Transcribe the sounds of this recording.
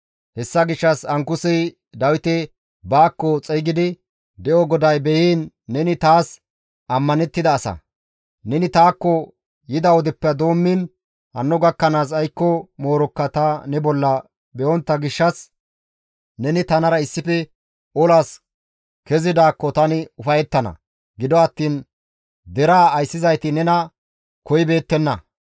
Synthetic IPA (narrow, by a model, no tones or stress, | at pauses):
hɛsːɐɡɪʃːɐsɐŋkʊsɪj | d̪ɐwɪt̪ɛ | baːkːɔt͡sʼɛjɡɪd̪ɪ | d̪ɛʔɔɡɔd̪ɐjbɛjiːnː | ɛnɪt̪aːs | ʔɐmːɐnɛt̪ːɪd̪ɐːsɐ̰ | nɛnɪt̪aːkːɔ | jɪd̪ɐwɔd̪ɛpːɛɐd̪o̞ːmːɪn | hɐ̰nːɔɡɐkːɐnaːs̬ɐjkːɔmo̞ːɾɔkːɐt̪anɛbɔlːɐ | bɛʔɔnt̪ːɐɡɪʃːɐs | nɛnɪt̪ɐnɐɾɐɪsːɪfɛ | ɔlaːs | kɛzɪd̪aːkːɔt̪ɐnɪʊfɐjɛt̪ːɐnɐ̰ | ɡɪd̪ɔɐt̪ːiːn | d̪ɛɾaːjsːɪzɐjt̪ɪnɛnɐ | kɔjɪbe̞ːt̪ːɛnːɐ